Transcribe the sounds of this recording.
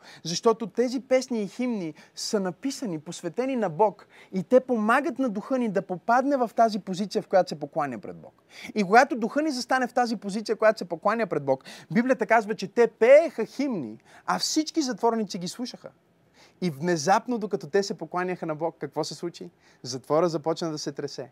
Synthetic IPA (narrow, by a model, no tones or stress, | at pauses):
zɐʃt̪ɔt̪ot̪ɛzipɛsniːximnisənɐpisəniposvɛt̪ɛninɐbɔkit̪ɛpomaɡət̪nɐd̪uxɤnid̪ɐpopad̪nɛvɐft̪azipozit̪siəfkojat̪o̥sɛpoklˠanʲəpɾɛ̰d̪̚bɔ̰k | ikoɡat̪od̪uxɤnizɐst̪anɛft̪azipozit̪sijəkojat̪osɛpoklˠanʲəpɾɛd̪̚bɔkbiblijət̪əkazvət͡ʃɛt̪ɛpɛːxəximnḭ | ɐfsit͡ʃkizɐt̪vɔɾnit̪siɡʲislˠuʃəxə̰ | ivnɛzapnod̪okɐt̪ɔt̪ɛsɛpoklˠanʲəxənɐbɔkːɐkvɔsɛslˠut͡ʃi | zɐt̪vɔɾəzɐpɔt͡ʃnɐd̪ɐsɛt̪ɾɛsɛ